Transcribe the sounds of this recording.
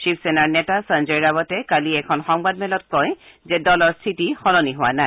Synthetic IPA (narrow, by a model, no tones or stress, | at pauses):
ʃipʰsɛnaɹnɛtasanzeɹiɹabɔtɛkaliɛkʰɔnxɔŋbad̚mɛlɔt̚kɔjzɛdɔlɔɹstʰitixɔlɔniɦʊwa̰naj